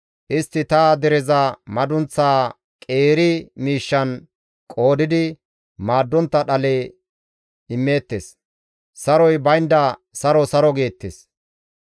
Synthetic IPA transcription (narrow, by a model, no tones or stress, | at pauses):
ʔɪst̪ːɪt̪aːd̪ɛɾɛzɐmɐd̪ʊnt͡sːaː | kʼe̞ːɾɪmiːʃːɐn | kʼo̞ːd̪ɪd̪ɪ | maːd̪ːɔnt̪ːɐɗɐleː | ɪmːe̞ːt̪ːes | sɐɾɔjbɐjnd̪ɐsɐɾɔsɐɾɔɡe̞ːt̪ːes